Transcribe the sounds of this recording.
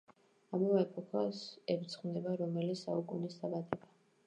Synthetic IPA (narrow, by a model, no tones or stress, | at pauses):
amavɛɛpʰʼɔkʰasɛpt̪sʰχmd̪ɛbaɾɔmɛlit̪saukʼunisd̪abad̪ɛba